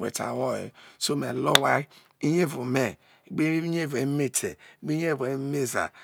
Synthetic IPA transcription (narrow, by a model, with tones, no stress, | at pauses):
wḛ˨ta̰˨wɔ˦˨jḛ˨so˦me˨lo˦wa˦ | i˦ɲe˦vu˨me˦˨ | ɡ͡be˦ɲe˦˨ve˨˦me˦tʰḛ˨ɡ͡bi˦ɲ˦e˦˨ve˨˦me˦za̰˨